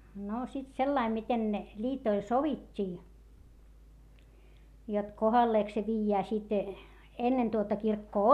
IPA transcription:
no sit selːɑim miten ne lʲiːtoil soʋitʲːiː jot kohɑlːeːk se ʋiːjːæː sit enːen tuotɑ kirkːoː

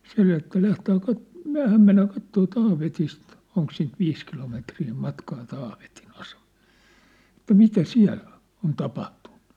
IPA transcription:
se etːæ læhtæː kɑt myæ̝hæm menːæː kɑtːoː tɑːʋetist oŋk siːnt ʋiːs kilometriː mɑtkɑː tɑːʋetin ɑsem̥ɑ̥l̥ːe̥ etːæ mitæ siæ̝lː on̞ on tɑpɑhtu̥n̥ːu̥

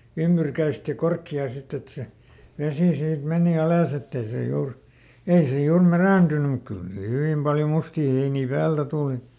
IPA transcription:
ymb̥yrkæist jɑ korkːiɑː sit et se ʋesiˑ siːt meniˑ ɑlɑˑs etː ei se juːr ei se juːr mæræˑntynym muk kyl siː hyʋiˑm pɑljo mustiː heiniː pæːltæ tuˑli

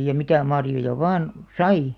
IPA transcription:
jɑ mitæ mɑrjojɑ ʋɑːn sɑi

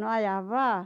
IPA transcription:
no ɑjɑʋ ʋɑː

